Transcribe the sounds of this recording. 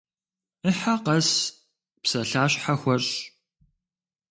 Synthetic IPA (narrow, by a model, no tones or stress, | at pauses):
əħaqɐs | psɐɬaːɕħaxʷɐr